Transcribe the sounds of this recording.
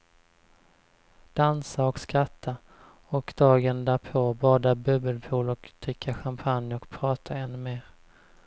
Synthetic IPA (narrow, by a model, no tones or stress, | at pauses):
d̪̥ansaɔkskɾat̪ʰːa | ɔkd̪̥ɑːɡənd̪æːɾpʰobɑːd̪abɵbəlpʰuːlɔkt̪ʰʏkʰːaɧampʰanjɔkpʰɾɑːt̪ʰaɛnːɵmeːɾ